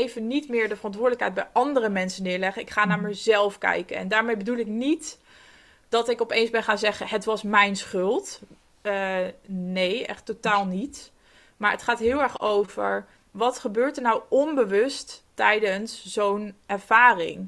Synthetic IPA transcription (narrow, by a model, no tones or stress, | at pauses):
ejvənitmɪːɹdəvərɑntʋʊːɹdələkɦɛjd̚bɛjʔɑndərəmɛnsənːɪːɹlɛχəɪkχaːnaːɹməzɛlˠfkɛ̰jkə̰nɛ̰ndaːɹmejbədulˠɪknit | d̥ɑtɪkɔpejnzbɛnχaːnzɛχəɦətʋɑsmɛjnsχɵlˠt | nejɛ̰χtːotaːlˠnit | maːɹətχaːtɦɪːlˠɛɹχowvə̰ɹ | ʋɑtχəbøːɹtəɹnawɔnbəʋɵsttɛjdənszownɛɹv̥aːrɪ̰ŋ